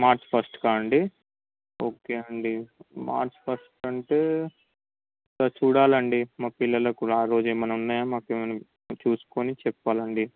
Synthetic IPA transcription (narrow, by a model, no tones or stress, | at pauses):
maːɾt͡ʃpʰɐsʈkaːɐɳɖi | oːkeːɐɳɖima̰ːɾt͡ʃpʰɐsʈɐɳʈeː | t̪aːt͡ʃuːɽaːlɐɳɖimaːkpilːɐlɐkuːɽaːɾo̞ːd͡ʒemːɐnɐmunːaːjaːmaːkemɐnɐm | t͡ʃuːsu̥ko̞ːnit͡ʃɛpːaːlɐɳɖi